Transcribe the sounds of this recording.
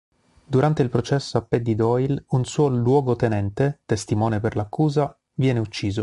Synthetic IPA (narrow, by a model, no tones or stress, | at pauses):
d̪uɾant̪eilpɾot͡ʃɛsːoapːed̪ːid̪ɔjlunsuːolwɔːɡot̪enɛnt̪et̪est̪imɔːneperlakːuːza | vjɛːneut͡ʃːiːzo